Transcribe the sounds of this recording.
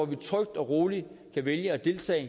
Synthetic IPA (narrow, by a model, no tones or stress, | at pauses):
ɒʋit͡sʰʁœɡ̥̚d̥ɒ̽ʁo̝ːlikʰæʋeljəɒd̥e̝lt͡sʰɛ̰ː